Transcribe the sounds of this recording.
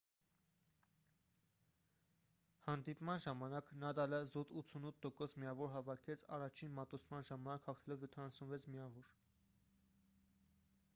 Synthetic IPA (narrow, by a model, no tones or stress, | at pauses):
hɑnd̪ipmɑnʒɑmɑnɑknɑd̪ɑləzut̪ut̪t͡sʰunut̪ʰːɔkɔsmiɑvɔɾɦɑvɑkʰɛt͡sʰɑ̰rɑt͡ʃʰinmɑt̪ut͡sʰmɑnʒɑmɑnɑkhɑχt̪ʰɛlɔvjɔt̪ʰɑnɑsunvɛt͡sʰmiɑvɔɾ